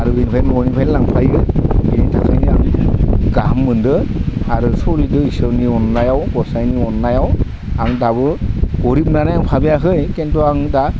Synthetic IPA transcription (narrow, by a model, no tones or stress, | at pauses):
aɾuinpʰajnɔnipʰajlaŋpʰajɯbinitʰakʰɯjniaŋɡamːɯndɯaɾusɔlidɯisɯniɔnːajawɡɔsajniɔnːajaw | aŋdabɯɡɔɾipnanajaŋpʰabijakɯjkɛntɔaŋda